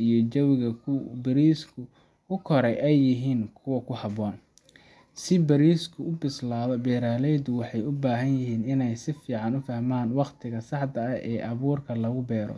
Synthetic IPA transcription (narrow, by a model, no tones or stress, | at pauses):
ijɔt͡ʃɐwɪɣɐkʰʊbɪɾiːskʰʊ | kʰʊkʰɔɾɛjʔɛjːɪɦiːnkʰʊwɐkʰʊhɑβɔːn | sɪbɐɾiːskʰʊʊbɪslaːðɔbɛːɾaːlɛjd̪ʊwɑħɑjʊbaːɦɐnjɪɦiːnɪnɛjsɪfiːʕɑnʊfɐhmaːnwɑqt̪ʰɪɣɐsɑħd̪ɐɐʔɛːʔɐβuːrkʰɐlɐɣʊbɛːɾɔ̰